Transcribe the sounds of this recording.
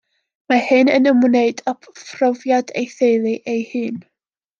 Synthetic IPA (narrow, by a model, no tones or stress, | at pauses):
mahɨnənəmwneɨdapʰfʰrɔvjadejθelˠɨʔejhɨːn